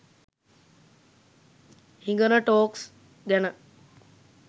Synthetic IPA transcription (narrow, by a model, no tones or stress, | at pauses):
hiŋɡənəʈoːks | ɡænə